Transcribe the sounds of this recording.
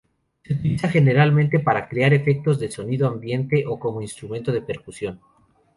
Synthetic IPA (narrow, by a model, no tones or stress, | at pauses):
seut̪ilisaxe̞ne̞ɾalmẽnt̪e̞paɾakɾeaɾe̞fe̞k̚t̪o̞zðe̞so̞niðoambje̞nt̪e̞ʔoko̞mo̞inst̪ɾumẽnt̪o̞ðe̞pe̞ɾkusjo̞n